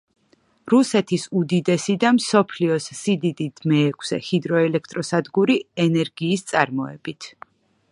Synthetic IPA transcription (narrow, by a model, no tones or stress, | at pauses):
ɾusɛt̪ʰisud̪id̪ɛsid̪amsɔpʰliɔsːid̪id̪id̪̥mɛːkʰsɛ̰hid̪ɾɔɛlɛk̚ʰt̪ʼɾɔsad̪ɡuɾiɛnɛɾɡiːst̪sʼaɾmɔɛb̥it̪ʰ